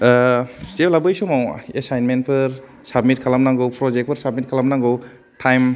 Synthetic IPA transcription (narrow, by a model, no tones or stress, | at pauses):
seplabɯjsomawesajnment̚pʰɯɾ | sab̚mit̚kʰalamnaŋɡɯwpʰɾɔzek̚pʰɯɾsab̚mit̚kʰalamnaŋɡɯw | tʰajm